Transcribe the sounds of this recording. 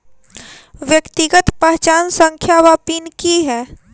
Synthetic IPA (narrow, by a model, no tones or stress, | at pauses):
ʋjəkt̪ɪɡət̪pəɦt͡ʃaːnsə̃ŋkʰjaʋaːpiːnkiɦɛː